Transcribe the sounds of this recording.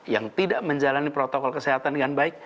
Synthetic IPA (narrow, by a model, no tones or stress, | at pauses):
jaŋt̪idaʔməɲd͡ʒalanipɾot̪okɔlkəseɦat̪anɡanbaɪk̚